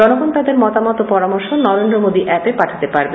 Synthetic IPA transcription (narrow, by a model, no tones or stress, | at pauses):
ɔnoɡont̪ad̪eɾmɔt̪amɔt̪opɔɾamoɾʃonɔɾend̪ɾomod̪iʔɛpepaʈʰat̪epaɾbe